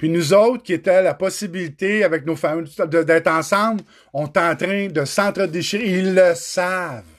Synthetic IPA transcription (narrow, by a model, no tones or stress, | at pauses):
pɥinuzɔʊt̪χkʲiet̪ɛlapɔsibilit̪eavɛk̚nofamd̪əd̪ɛːt̪ɑ̃ːsɑ̃bl | ɔ̃t̪ɑ̃t̪ʁɛ̃d̪əsɑ̃t̪ʁəd̪eʃiʁilːəsav